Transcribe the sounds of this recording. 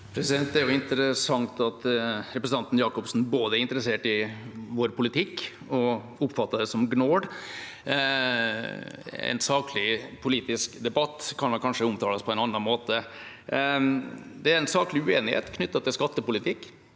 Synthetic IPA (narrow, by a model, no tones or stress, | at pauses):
pʰɾɛsɪd̪ɛnt̪d̪ɛæɾjʊɪnt̪əɾəsɑŋt̪ɑt̪ɾɛpɾəsənɑnt̪n̩jɑːkʊpsn̩boːd̪əæɾɪnt̪əɾəseːʈɪʋoːɾpʰʊlɪt̪ʰɪkː | ɔ | ʊpːfɑt̪ːɑd̪ɛsɔmɡnoːɖ | ɛ̰nsɑːklɪpʰʊliːt̪ɪskd̪ɛbɑt̪ːkʰɑnmɑnkʰɑnʂəʊmt̪ʰɑːləspʰɔɛnɑnːɑnmoːt̪ə | d̪ɛæɾɛnsɑːklɪʉeːnɪhḛːt̪kʰnʏt̪ːɑt̪ʰɪlskɑt̪ːəpʊlɪt̪ʰɪkː